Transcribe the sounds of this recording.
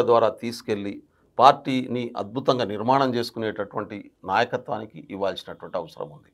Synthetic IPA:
ɐd̪ʋaːɾaːt̪iːsu̥ke̞lːi | paːɾʈiːniʔɐ̰d̪̚bʱut̪ɐŋɡaːniɾmaːɳɐmt͡ʃe̞ːsu̥kuneːʈɐʈuʋɐɳʈinaːjɐkɐt̪ʋa̰ːnikiʔiʋːaːlsinɐʈuʋɐɳʈiɐʋɐsɐɾɐ̰mund̪i

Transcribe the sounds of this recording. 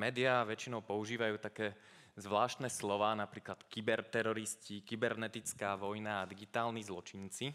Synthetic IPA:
mɛːd̪iaʋɛt͡ʃinɔʊpɔuʒiːʋajuːt̪akɛː | zʋlaːʃt̪nɛslɔʋaːnapɾiːklat̪kibɛɾt̪ɛɾɔɾiscikibɛɾnɛt̪it͡skaːʋɔjnaːd̪iɡit̪aːlnizlɔt͡ʃint͡si

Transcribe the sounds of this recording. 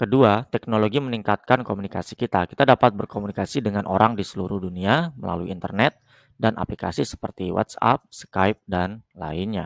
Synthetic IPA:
kəduat̪ɛknoloɡiməniŋkat̪̚kankomunikasikit̪akit̪adapat̪̚bərkomunikasidəŋanʔoɾaŋdisəluɾʊhduniamə̰la̰luiːnt̪ərnɛt̪̚ | danʔa̰plika̰sisə̥pərt̪iwa̰t̪sa̰p̚səkajp̚danla̰inɲa̰

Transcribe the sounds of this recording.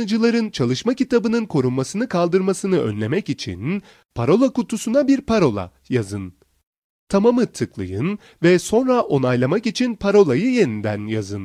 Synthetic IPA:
nɯd͡ʒɯlˠaɾɯnt͡ʃʰalˠɯʃmacit̪abɯnɯnkʰo̞ɾunmasɯnɯkʰalˠd̪ɯɾmasɯnɯʔø̞̰nlʲe̞mɛcit͡ʃʰḭn | pʰaɾo̞lˠakut̪ʰusunabiɾpʰaɾo̞lˠa̰ | jazɯn | t̪ʰamamɯt̪ʰɯklˠɯ̰jɯn | vɛso̞nɾaʔo̞najlˠamakit͡ʃʰinpʰaɾo̞lˠajɯje̞nind̪ænjazɯn

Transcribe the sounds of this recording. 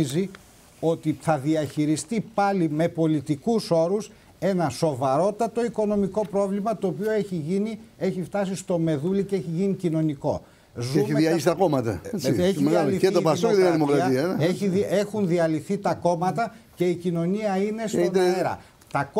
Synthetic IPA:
zi | o̞t̪iθɐðiɐçiɾist̪ipɐlime̞po̞lit̪ikuso̞ɾus | e̞nɐso̞vɐɾo̞t̪ɐt̪o̞iko̞no̞miko̞pɾo̞vlimɐt̪o̞ːpio̞eçiʝinie̞çift̪ɐs̬ist̪o̞me̞ðuliceeçiʝinicino̞niko̞̰ | zeuiiɐlisit̪ɐkomɐt̪ɐ̰eçmeɣalliet̪opɐsoðeɐðimokɾɐtɐiɐeçiðiexunðiɐliθit̪ɐko̞mɐt̪ɐ | ce̞icino̞niɐine̞st̪oeɾɐ̰ | t̪ɐk

